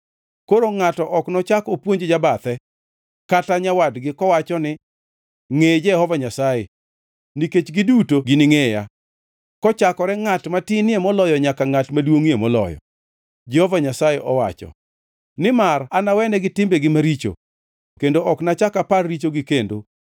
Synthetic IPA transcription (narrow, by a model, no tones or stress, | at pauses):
koɾoŋatɔʔɔknɔt͡ʃakɔpwoɲd͡ʒed͡ʒabat̪ɛ | kataɲawadɡɪkɔwat͡ʃɔnɪ | ŋed͡ʒɛhɔvaɲasaje | niket͡ʃɡɪdutoɡɪnɪŋeja̰ | kɔt͡ʃakɔɾɛŋatmatɪnɪemɔlɔjɔɲakaŋatmadwoŋemɔlɔ̰jɔ̰ | d͡ʒɛhɔvaɲasajeʔɔwa̰t͡ʃɔ̰ | nɪmaranawɛnɛɡɪtɪmbɛɡɪmaɾit͡ʃo̰ | kendoʔɔknat͡ʃakaparːit͡ʃoɡɪkendo̰